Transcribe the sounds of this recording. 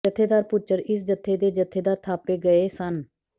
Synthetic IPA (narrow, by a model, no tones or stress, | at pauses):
ət̪ʰːeːd̪aːɾpʊt͡ʃːəɾɪs̬d͡ʒət̪ʰːeːd̪eːd͡ʒət̪ʰːeːd̪aːɾt̪ʰaːpeːɡəeːsən